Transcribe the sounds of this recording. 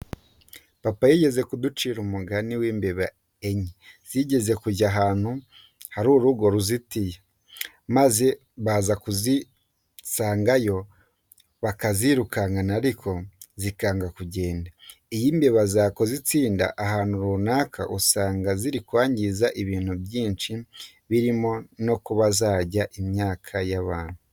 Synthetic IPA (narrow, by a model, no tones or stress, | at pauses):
papajiɟe̞ze̞kudut͡ʃiɾumuɡaniwiːmbe̞βa | eɲiz̥iɟe̞ze̞kuɟaɦaːn̥hu | haɾuːɾuɡo̞ɾuzitija | maze̞ | βazakuzi | saːŋɡajo̞ | βakaziɾukaŋɡanaɾikʰozikaːŋɡakuɟe̞ːndaijiːmbeβazako̞zit͡siːnda̰ʔaɦaːnuɾunaːkʰa̰ʔusaːŋɡaziɾikwaːɲɟizaʔiβiːn̥hubjiːnt͡ʃi | βiɾimo̞no̞kuβazaːɟaʔimɲaːkʰajaβaːn̥hu